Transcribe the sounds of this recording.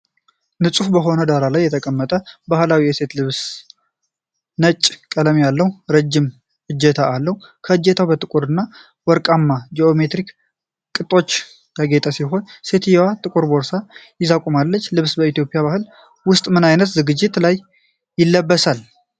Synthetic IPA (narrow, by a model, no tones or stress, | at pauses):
nɨsʼufbəɦo̞nəd̪aɾalajːɛt̪ʰəkʼəmːət̪ʼəbahlawijɛse̞t̪lɨβs | nət͡ʃʼːkʼələmijalːəhuɾəd͡ʒːɪm | ɨd͡ʒːɛt̪ʰaːlːəhukʰəɨd͡ʒːɛt̪ʰabət̪ʼɨkʼuɾɨnːa | wɔɾkʼamːad͡ʒeo̞me̞t̪ɾik | kʼɨt̪ʼo̞t͡ʃː | ɡaɡet̪ʰʼasiɦo̞nse̞t̪jɛwat̪ʼɨkʼuɾbo̞ɾsajɪzakʼumalːət͡ʃːlɨβsbəit̪ijo̞pʼjaβahɨl | wʊst̪ʼmɨnajnət̪zɨɡɨd͡ʒːɪt̪lajː | ɪlːəbːəsal